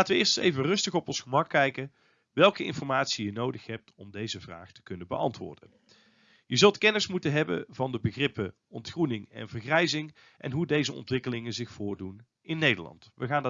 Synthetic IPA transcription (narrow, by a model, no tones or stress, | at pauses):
aːtəʋəɪːɹstḛjvərɵstəχɔpɔnsxəmɑkːɛjkən | ʋɛlˠkəɪ̰nfɔɹmaːtsijənowdəxɦɛp̚tɔmdejzəvra̰ːχtə̥kɵnənbəʔɑ̰ntʋʊ̰ːɹdə̰n | jəzɵlˠtkɛnɪsmutənɦɛbə̰vɑndəbəɣrɪpə | ɔntχrunɪŋɛ̰nvərχrɛjzɪŋ | ʔɛ̰nɦudejzəɔ̰ntʋɪkəlɪŋənzɪxfʊːɹdun | ɪnːejdə̰ɹlɑ̰ntʋəɣaːnd